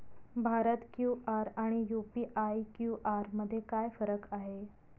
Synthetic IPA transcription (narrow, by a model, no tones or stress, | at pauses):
bʱaɾət̪kjuʔaɾaɽ̃ijupiʔajkjuʔaɾməd̪ʱːjekajfəɾəkaɦe